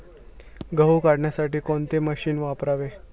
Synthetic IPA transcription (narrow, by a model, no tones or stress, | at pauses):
ɡəɦukaɽɳjasaʈiːkoɳt̪eməɕiːnʋapɾaʋe